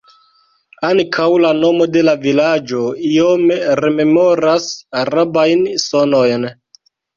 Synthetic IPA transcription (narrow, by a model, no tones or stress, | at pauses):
aŋkʰawlano̞mo̞de̞lavilad͡ʒo̞iome̞ɾe̞me̞mo̞ɾasaɾabajnsono̞jn